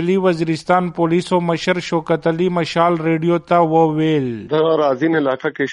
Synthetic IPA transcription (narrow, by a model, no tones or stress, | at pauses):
liwɐziːɾɪst̪ɑːnpolisomɐʃəɾʃokɐt̪ɐlimɐʃaːlɾeɖijot̪awəweld̪ɐɣaɾaːzinɪlaːkake